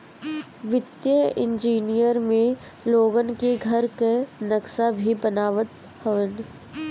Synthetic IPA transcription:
ʋɪt̪jəɪ̰̃nd͡ʒiːnijəɾmẽ | loːɡənkiɡʱɐɾkenɐksabʱibənaːʋət̪ | həʋən

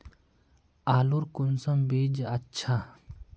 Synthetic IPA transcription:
aːluɾkunsɐmbiːd͡ʑɐtːɕʰa

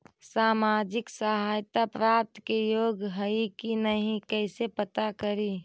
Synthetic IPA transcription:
saːmaːd͡ʒɪksəɦaːjt̪apɾaːp̚t̪kejoːɡɦəikinəɦĩkɛɪsepət̪akəɾi

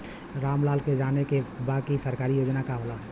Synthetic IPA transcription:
ɾaːmlaːlked͡ʒaːnekebaːkisəɾkaːɾijoːd͡ʒnakaɦoːlaɦɛː

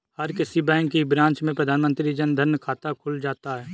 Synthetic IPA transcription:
hɐɾkɪsibɛ̃ːŋkibɾãːnt͡ʃmẽpɾəd̪ʱaːnmə̃nt̪ɾid͡ʒənd̪ʱəɾnkʰaːt̪akʰʊld͡ʒaːt̪aɦɛː

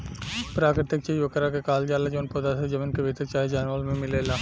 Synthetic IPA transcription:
pɾaːkɾɪt̪ɪk̚t͡ʃiʋɐkəɾakekaːld͡ʒaːlad͡ʒoːnpoːd̪ased͡ʒɐminkeʋet̪əkt͡ʃaːid͡ʒaːnʋəlmẽmɪleːla

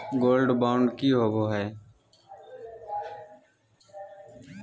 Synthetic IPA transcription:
ɡoːlɖbaːʊɳɖkiːɦoːɡoːɦɛː

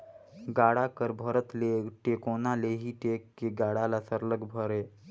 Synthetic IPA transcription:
ɡaɽakəɾbʱəɾət̪leʈekonaleɦiːʈekːeɡaɽalasəɾləɡbʱəɾe

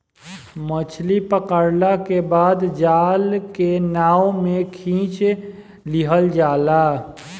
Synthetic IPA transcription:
mət͡ʃʰlipəkəɾlakebaːd̪d͡ʒaːlkenaːomẽkʰĩːt͡ʃ | liɦəld͡ʒaːla

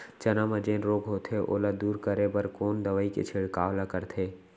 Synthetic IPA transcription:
t͡ʃənaməd͡ʒẽːnɾoːɡɦoːt̪ʰeʔo̰ːlad̪uːɾkəɾebəɾkoːnd̪əʋəikḛt͡ʃʰeɽkaːʋlakəɾt̪ʰeː

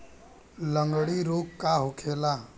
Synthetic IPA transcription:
lə̃ŋɡɽiɾoːkkːaɦʊkʰeːla

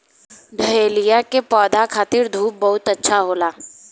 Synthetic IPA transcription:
d̪ʱəɦeːlijakepɔːd̪ʱakʰaːt̪ɪɾd̪ʱuːp̚bɐɦʊt̪ɐtːʃʰaɦoːlaː

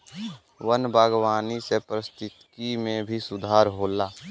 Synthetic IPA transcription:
wənbaːɡwaːnisepɾəst̪ɪt̪kimẽbʱisʊd̪ʱaːɾɦoːlaː

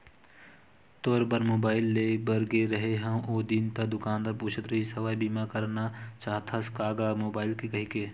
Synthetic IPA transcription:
t̪ɔːɾpəɾmoːbaːɪlːeːbəɾɡeɾɐɦeɦãʔoːd̪int̪ɐd̪ʊkaːnd̪ɐɾpuːt͡ʃʰət̪ɾɐɦisɐʋaːjbiːmakəɾnat͡ʃaːɦt̪ʰaskaːɡamoːbaːɪlkikɐɦikeː

